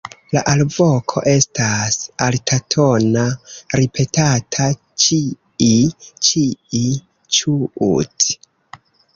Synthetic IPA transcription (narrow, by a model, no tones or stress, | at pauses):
la̰ʔalvo̞kʰo̞̰ʔe̞stasaltʰatʰo̞naɾipʰe̞tatʰa | t͡ʃi | it͡ʃii | t͡ʃuṵt